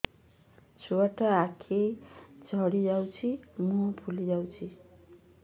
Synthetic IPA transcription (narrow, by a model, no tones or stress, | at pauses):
t͡ʃʰuaʈɔakʰed͡ʒʱɔɽid͡ʒawt͡ʃʰimuɔ̃pʰulid͡ʒawt͡ʃʰi